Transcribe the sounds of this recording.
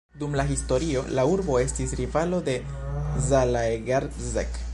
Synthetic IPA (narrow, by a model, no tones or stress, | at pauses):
d̪umlaɦisto̞ɾio̞lauɾbo̞e̞stisɾivalo̞de̞ | zalaeɡaɾ | zek